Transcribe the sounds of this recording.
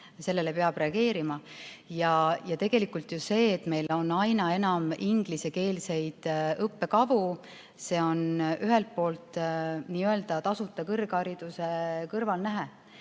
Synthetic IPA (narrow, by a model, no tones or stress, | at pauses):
se̞lːe̞lepeɑb̥re̞ɑɡ̥e̞ːɾimɑjɑjɑt̪e̞ɡ̥e̞likːˑult̪juse̞ːt̪ːˑme̞jlo̞nɑjnɑe̞nɑmiŋɡ̥lise̞ke̞ːlse̞jd̪̥ɤpːe̞kɑvu | se̞ːo̞nyɦe̞lt̪̚po̞ːlt̪ˑniːøld̪̥ɑt̪ɑsut̪ːˑɑkɤrɡ̥ɑɾid̪̥use̞kɤrvɑlnæɦe